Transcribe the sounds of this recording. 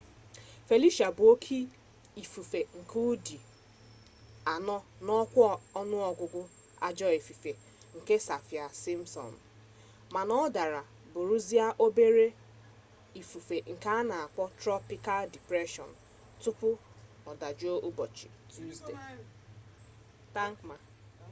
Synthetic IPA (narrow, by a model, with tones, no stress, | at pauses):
fe˨li˦ʃa˨bʊ˨o˦kʰi˦ | i˨fu˨fe˨ŋ̩˨ku˦u˦di˨ | a˨nɔ˦nɔ˦kʷɔ˦˨ɔ˦nʊ˦ɔ˨ɡʷʊ˨ɡʷʊ˦ | a̰˦d͡ʒɔ˦e˨fi˨fe˨ | ŋ̩˨ke˦sa˨fja˨si˦m̩˦sɔ̰˨n̩˨ | ma˨nɔ˦da˨ɾa˨ | bʊ˨ɾu˦zi˦a˦ʔo˦be˦ɾe˦ | i˨fu˨fe˨ŋ̩˨ka˦a˦na˨a˨k͡pɔ˦tɾɔ˦pi˦ka˦ldi˨pɾe˦ʃɔ̰˨n̩˨ | tʊ˦pʊ˦ | ɔ˨da˨d͡ʒo˦ʔʊ˦bɔ˨t͡ʃḭ˨tu˦ste˨ | ta˦ŋ˦kma˨